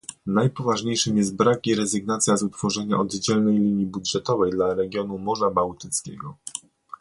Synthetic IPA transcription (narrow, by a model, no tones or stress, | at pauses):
najpɔvaʐɲejʂɘmjɛst̪̚bɾakiɾɛzɘɡnat̪sʲjazut̪fɔʐɛɲa̰ʔɔd̪d͡ʑɛlnɛjlʲiɲjibudʐɛt̪ɔvɛjd̪laɾɛɡʲjɔnumɔʐabawt̪ɘt̪skʲɛɡɔ